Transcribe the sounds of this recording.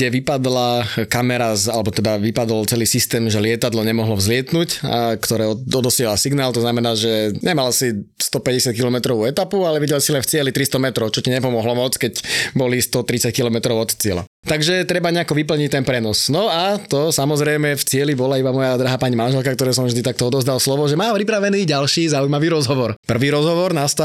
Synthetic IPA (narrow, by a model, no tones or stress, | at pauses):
ɛʋipad̪lakamɛɾazalɛbɔt̪ɛd̪aʋipad̪ɔlt͡sɛliːsist̪ɛːmʒɛlɪɛt̪ad̪lɔɲɛmɔɦlɔvzlɪɛt̪nuca̰kt̪ɔɾɛːɔd̪ɔd̪ɔsɪɛɦlasiɡnaːlt̪ɔznamɛnaːʒɛɲɛmalsist̪ɔpɛɟɛsɪat̪kilɔmɛt̪ɾɔʋuɛt̪apualɛʋiɟɛlsilɛnft͡sɪɛlit̪ɾist̪ɔmɛt̪ɾɔʊt͡ʃɔciɲɛpɔmɔɦlɔmɔt͡skɛcbɔlist̪ɔt̪ɾit͡sackilɔmɛt̪ɾɔʊɔt̪t͡sɪɛla̰ | t̪aɡʒɛt̪ɾɛbaɲɛakɔʋipl̩ɲic̚t̪ɛnpɾɛnɔsnɔat̪ɔsamɔzɾɛjmɛft͡sɪɛlibɔlaibamɔjad̪ɾaɦaːpaːɲimanʒɛlkak̚t̪ɔɾɛːs̬ɔmvʒd̪it̪ak̚t̪ɔɔd̪ɔzd̪alslɔʋɔʒɛmaːpɾipɾaʋɛniːɟalʃiːzaujmaʋiːɾɔzɦɔʋɔɾpr̩ʋiːɾɔzɦɔʋɔɾnast̪